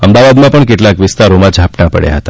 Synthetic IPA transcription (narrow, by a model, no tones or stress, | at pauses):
əmd̪aʋad̪mãpəɳkeʈlakʋɪst̪aɾomãd͡ʒʱapnapə̰ɽja̰ɦət̪ḁ